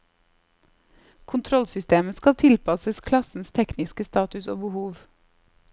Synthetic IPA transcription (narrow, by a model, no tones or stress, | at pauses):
kʰʊnt̪ʰɾɔlsʏst̪eːməskɑlt̪ʰɪlpʰɑsəskʰlɑsn̩st̪ʰɛknɪskəst̪ɑːt̪ʉso̰ːbəhuːʋ